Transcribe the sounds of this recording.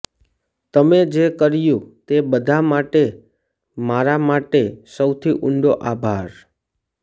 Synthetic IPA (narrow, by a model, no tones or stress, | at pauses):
t̪əmed͡ʒekəɾjũt̪ebəd̪ʱamaʈe | maɾamaʈesəwt̪ʰiʔʊɳɖoʔabʱaɾ